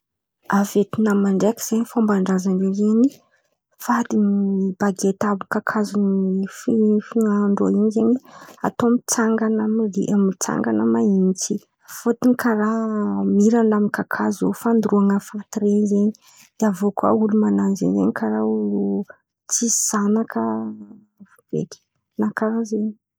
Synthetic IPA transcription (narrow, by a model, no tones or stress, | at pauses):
avet̪inamaɳɖ͡ʐekiz̥eɲifambaɳɖ͡ʐazaɳɖ͡ʐezeɲi | fad̪imib̥aɡet̪abukakʰazunififinaɳɖ͡ʐoiɲizeɲia̰t̪omit͡saŋɡanamrḭʔamit͡sa̰ŋɡanəmaint͡si | fut̪inikaɾamiɾanlamikakʰazo̰fand̪ruaŋəfat̪ɾenzeɲi | d̪̥avokwa̰ulumananzḛɲzḛɲikʰaɾaulu | t͡siz̥anakʰə | vuv̥ḛkʲi̥ | nakaɾazeɲi